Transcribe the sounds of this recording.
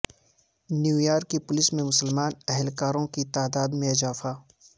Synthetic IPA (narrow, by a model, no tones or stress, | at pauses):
njuːjaːɾkːipʊlɪsmẽmʊsəlmaːnɛɦɛlkaːɾõkit̪aːd̪aːd̪mẽɪzaːfaː